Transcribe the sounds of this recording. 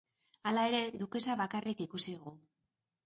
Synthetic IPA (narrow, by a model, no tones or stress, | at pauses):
alae̞ɾe̞ðuke̞saβakarikikusiðuɣu